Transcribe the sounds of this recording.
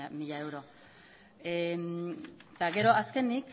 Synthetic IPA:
miʎae̞wɾo̞ | e | t̪aɣe̞ɾo̞aske̞nik

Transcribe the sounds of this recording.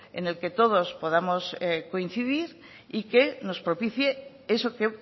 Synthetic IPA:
ḛne̞lke̞t̪o̞ðo̞spo̞ð̞amo̞sko̞in̟θiðiɾ | ikeno̞spɾopiθje | esoke

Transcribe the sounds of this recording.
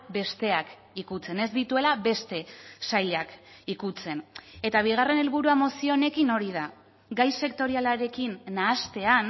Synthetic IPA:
be̞st̪e̞ak | ikut͡se̞ne̞zd̪it̪ue̞laβe̞st̪e̞sajʎakikut͡se̞ne̞t̪aβ̞iɣ̞are̞ne̞lβuɾuamo̞sio̞ne̞kino̞ɾið̞a | ɡajse̞kt̪o̞ɾialaɾe̞kinːaːst̪e̞an

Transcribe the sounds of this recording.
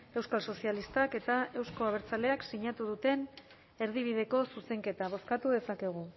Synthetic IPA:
e̞wskalso̞sialist̪ake̞t̪ae̞wsko̞aβ̞e̞ɾt͡sale̞aksiɲat̪uð̞ut̪e̞n | e̞ɾðiβ̞ið̞e̞ko̞suse̞ŋke̞t̪aβ̞o̞skat̪uðe̞sake̞ɣ̞u

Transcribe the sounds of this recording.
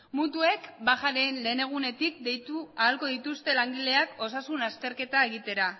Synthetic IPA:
mut̪ue̞kbaxaɾe̞nle̞ːne̞ɣ̞une̞t̪ikd̪e̞jt̪uaːlko̞ðit̪ust̪e̞laŋɡile̞ako̞sasunast̪e̞ɾke̞t̪ae̞ɣ̞it̪e̞ɾa

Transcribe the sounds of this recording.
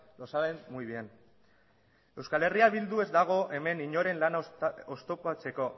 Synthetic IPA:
lo̞saβenmuiβien | e̞wskale̞riaβild̪ue̞zd̪aɣ̞o̞ʔe̞me̞niɲo̞ɾe̞nlanost̪o̞pat͡se̞ko̞

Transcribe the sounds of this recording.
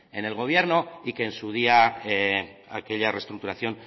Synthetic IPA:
e̞ne̞lɣo̞β̞je̞ɾno̞ike̞ːnsuð̞ia | a̰ke̞ʎare̞st̪ɾukt̪uɾaθjo̞n

